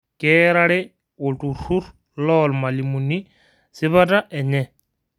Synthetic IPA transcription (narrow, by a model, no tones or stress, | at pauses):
kɛɾaɺɛ | otʼuɾuɾ | lɔlmalimuni | sɪβataʔɛɲɛ